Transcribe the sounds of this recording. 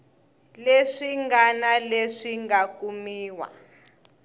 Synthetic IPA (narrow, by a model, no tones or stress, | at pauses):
leʂiŋɡanaleʂiŋɡakumiːwa̰